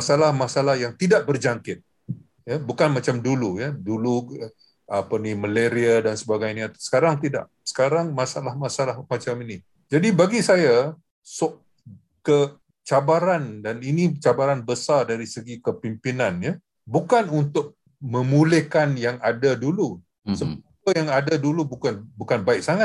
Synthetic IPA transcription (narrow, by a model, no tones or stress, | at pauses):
masalahmasalahjaŋt̪idaʔ̚bərd͡ʒaŋkɪt̪̚ | jabukanmat͡ʃamdulujadulu | apaniməleɾiadansəbaɡajɲat̪sə̥kaɾaŋt̪ida̰ʔ | sə̥kaɾaŋmasalahmasalahmat͡ʃamini | d͡ʒadibaɡisaja | sʊʔ | kə | t͡ʃabaɾandaninit͡ʃabaɾanbəsardaɾisəɡikəpimpinanja | bukanunt̪ʊk̚ | mə̃mulɪhkanjaŋadadulu | səbap̚əjaŋadadulubukanbukanbaɪk̚saŋat̪̚